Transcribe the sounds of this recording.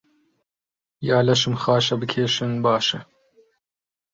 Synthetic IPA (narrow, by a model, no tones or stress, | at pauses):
jɑːlɐʃɨmxɑːʃɐbɨkʲʰeːʃɨnbɑːʃɐ